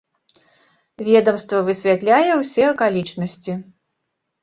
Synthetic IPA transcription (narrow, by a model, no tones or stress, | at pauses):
vʲɛd̪ɐmst̪vɐvɨsʲvʲat̪lʲajɛwsʲɛɐkalʲit͡ʂnɐsʲt͡sʲi